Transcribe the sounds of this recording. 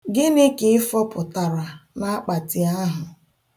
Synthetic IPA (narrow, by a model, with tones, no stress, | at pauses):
ɡɪ˦nɪ˦kɪ˨ɪ˦fɔ˦pʊ˨ta˨ɾa˨na˦a˦k͡pa˨tɪ˨a˦ɦʊ˨